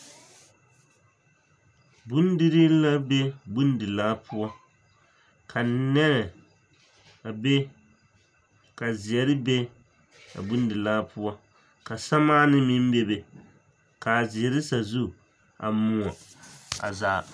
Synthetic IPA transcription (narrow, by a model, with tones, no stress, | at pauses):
bu˦n˦di˦ɾi˦la˦be˦bu˦n˦dɨ˨laː˦pʰʊ˦ɔ˦ | kʰa˨nɛ˦ɾɛ˨ | a˨be˦ | ka˨zɪ˨ɛ˨ɾɨ˦be˦ | a̰˨bu˦n˦dɨ˨laː˦pʊ˦ɔ˦ | ka˨sa˦maː˦nɨ˦mi˦m˦be˦be˨ | ka˨zɪ˨ɛ˨ɾɪ˦sa˨zu˦ | a̰˨mu˦a˨ | a̰˨zaː˨˦˨